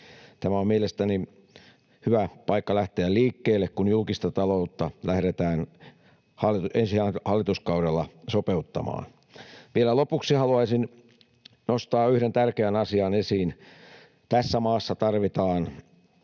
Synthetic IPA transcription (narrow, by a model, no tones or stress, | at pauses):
t̪æmæommielest̪æni | hyʋæpɑikːɑlæht̪eælliːkːeːlːekkunjulkist̪ɑt̪ɑlout̪ːɑlæhɾet̪æːn | hɑlːˑit̪uʔensiæːhɑlːit̪uskɑuɾelːɑsopeut̪ːɑ̰mɑ̰ːn | ʋielælopuksihɑluɑisin | nost̪ɑːyhɾent̪ærkeænɑsiɑnesiːn | t̪æsːæmɑːsːɑt̪ɑrʋit̪ɑːn